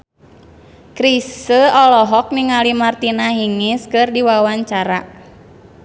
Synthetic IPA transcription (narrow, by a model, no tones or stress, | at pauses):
kɾisəɔlɔɦɔk̚niŋalimart̪inaɦiŋɪskɨrdiwawaɲt͡ʃaɾa